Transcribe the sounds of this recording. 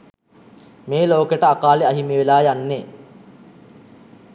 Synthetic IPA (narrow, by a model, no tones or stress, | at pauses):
meːloːkeʈəakaːleaɦimeʋelaːjanːe